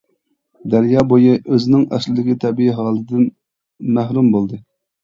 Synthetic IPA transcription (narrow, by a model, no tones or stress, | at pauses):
d̪æɾjɑːbojɨʔøzɪnɪŋɛ̰slɪd̪ɪkʲit̪ʰɛbiiɦɑːlˠd̪ɪn | mæhɾumbolˠd̪ɨ